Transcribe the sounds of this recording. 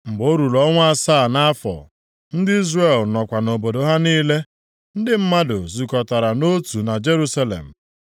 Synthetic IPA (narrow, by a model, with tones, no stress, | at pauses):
m̩˨ɡ͡bo˦ɾu˨lɔ˦ŋʷ˦a˦saː˦˨na˦fɔ̰˨ | n̩˦dɪ˦i˦zre˨lnɔ˨kʷa˨no˨bo˨do˨ɦa˦niː˦le˦ | n̩˦dɪ˦m̩˦ma˦dʊ˨zu˨kɔ˨ta˨ɾa˨no˦tu˨na˨d͡ʒe˦ɾu˦sa˦lḛ˨m̩˨